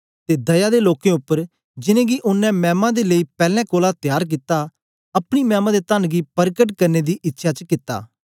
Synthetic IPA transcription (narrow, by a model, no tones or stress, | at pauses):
t̪eːd̪ɐjad̪eloːkẽʊpːəɾ | d͡ʒɪnẽɡiʔʊnːɛ̃mɛ̃ːmãd̪eleipɛːlɛ̃koːlat̪ɪjaːɾk̬ɪt̪ːa | ɐpɽ̃imɛːmãd̪et̪ənɡipɐɾkəʈkɐɾned̪iʔɪtːʃʰat͡ʃəkɪt̪ːa̰ː